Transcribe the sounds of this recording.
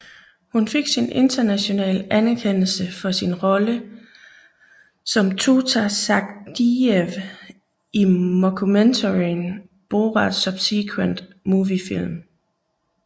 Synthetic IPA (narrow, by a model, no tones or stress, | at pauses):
hunfe̝ɡ̥sinʔe̝nd̥ɐnæɕo̝nɛ̰ːlænæɐkʰen̰l̩səfɒ̽sinʁɒ̽lə | sɒ̽mt͡sʰo̝t͡sʰæsɑ̈ɡ̥d̥ieʋ | imokʰument͡sʰoʁin | b̥o̝ːʁɑd̥sœb̥sikʰwend̥ | muːʋifil̰m